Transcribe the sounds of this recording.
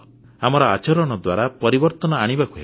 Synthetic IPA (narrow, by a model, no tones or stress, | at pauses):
amɔɾɔat͡ʃɔɾɔɽ̃ɔd̪waɾapɔɾibɔɾt̪ɔnɔaɽ̃ibakue